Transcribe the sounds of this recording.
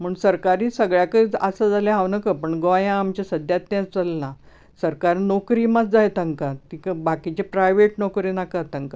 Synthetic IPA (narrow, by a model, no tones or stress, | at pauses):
m̤əːɳsəɾkaɾiːsəɡɭjakəəsəd͡zaleɦaʋnəkəpəɳɡojãːmt͡ɕasəd̪ʱjat̪njãt͡st͡səlna | səɾkaɾnɔkɾiːmat͡sd͡zajt̪əŋkat̪ikəbakit͡ɕepɾajʋeʈnɔkɾiːnakət̪əŋka